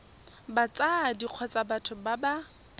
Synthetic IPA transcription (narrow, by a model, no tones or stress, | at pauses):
bat͡sadiq͡χʰɔt͡sʼabatʰʊbaba